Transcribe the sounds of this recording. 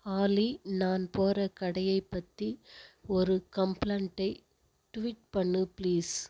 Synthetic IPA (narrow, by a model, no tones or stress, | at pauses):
aːlinaːnpoːrɐkɐɽɐjɐɪpːɐt̪ːiɔɾɯkɐmplɐɳʈːɐɪ | ʈʊʋiːʈ̚pɐɳːɯpɪliːs